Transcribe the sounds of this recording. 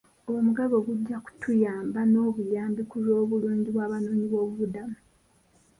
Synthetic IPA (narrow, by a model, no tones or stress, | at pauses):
owomuɡaβo̞ɡuɟːaku̥tʰujaːmbano̞ːβujaːmbikuzo̞ːβuluːɲɟiβwaːβanoːɲiβo̞ːβuβudamu